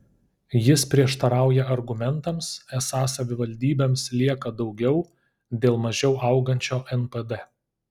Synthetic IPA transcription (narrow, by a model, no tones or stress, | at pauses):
jɪspʲɾʲiɛʃt̪ɐɾɑˑʊjɛʔɐɾɡʊmʲɛnˑt̪ɐmsɛsɑːsɐʋʲɪʋɐlʲd̪ʲiːbʲeːmslʲiɛkɐd̪ɒʊɡʲɛʊ | d̪ʲeːlˠmɐʒʲɛʊʔɐˑʊɡɐnʲt͡ʃʲoːʔɛnpɛd̪ɛ